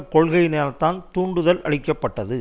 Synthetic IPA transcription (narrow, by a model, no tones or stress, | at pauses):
kɔɭɣɐɪneːlɐt̪ːaːntt̪uːɳɖɯðɐlɐ̰ɻɪkːɐpːɐʈːɐðɯ